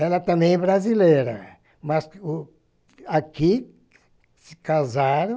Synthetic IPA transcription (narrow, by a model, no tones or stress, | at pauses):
ɛlɐt̪ɐ̃mbẽj̃ɛbɾazileɾɐ | mɐs | aki | sɪkazaɾ̃